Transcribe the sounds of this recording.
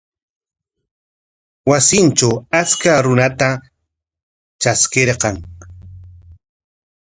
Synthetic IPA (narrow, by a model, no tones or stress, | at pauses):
wasɪnt͡ʃawat͡skaɾʊnat̪a | t͡ʃaskeɾqɑŋ